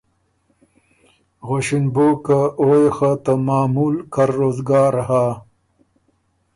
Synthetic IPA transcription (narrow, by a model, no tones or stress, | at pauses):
ɣoɕinboːkaoːjexat̪ɐmaːmuːlkɐɾːoːzɡaːɾɐɦaː